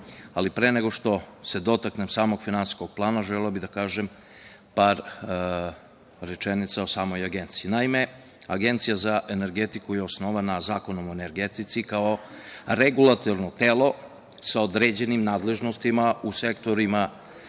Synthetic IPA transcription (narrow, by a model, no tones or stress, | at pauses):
alipɾeneɡo̞ʃt̪o̞se̞d̪o̞t̪aknemsaːmo̞ɡ̥finansi̥sko̞ɡ̥̚plˠaːnaʒelilabid̪akaːʒem | paːɾ | ɾe̞t͡ʃenit̪sao̞saːmo̞jaɡe̞nt̪sijinaime̞ | aɡe̞nt̪sijazaʔene̞ɾɡet̪ikujeosnoʋanazaːko̞nomoene̞ɾɡet̪it̪sikaoɾeɡulˠat̪oɾno̞t̪eːlˠo̞ | sao̞d̪ɾeːd͡ʑe̞nimnaːd̪le̞ʒnost̪imause̞kt̪o̞ɾima